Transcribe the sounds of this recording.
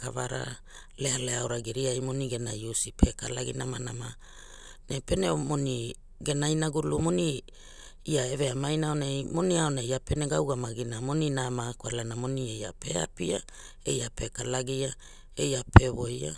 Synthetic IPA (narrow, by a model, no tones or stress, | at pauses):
kavaɾa̰ | lealeaoɾaɡiɾiajmo̞niɡe̞najusipʰe̞kalaɡḭnamanama | nepe̞nemo̞ni | ɡe̞najnaɡulumo̞ni | iaeve̞amajnaonajmo̞niaonaiape̞ne̞ɡawɡamaɡinamo̞ninamakoa̰lanamo̞nieja̰pe̞a̰pia | e̞̰japʰe̞kalaɡia | e̞japʰe̞βo̞ja̰